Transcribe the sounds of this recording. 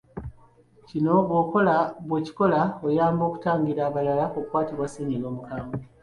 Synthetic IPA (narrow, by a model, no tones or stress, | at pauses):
cino̞βwoko̞laβwe̞ːci̥ko̞laojaːmbo̞ːku̥taːŋɡiɾaːβalalaokwaːtiβwasiɲilo̞ːmukaːmɡo